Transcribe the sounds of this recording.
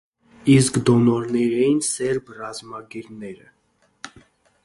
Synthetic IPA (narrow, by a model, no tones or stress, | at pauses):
iskd̪ɔnɔɾnɛɾɛjinsɛɾbrɑzmɑɡɛɾnɛɾə̰